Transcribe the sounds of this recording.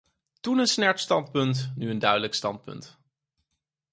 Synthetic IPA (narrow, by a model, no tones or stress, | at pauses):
tunənsnɛɹtstɑnt̚pɵntnyəndœɥdələkstɑnt̚pɵ̰nt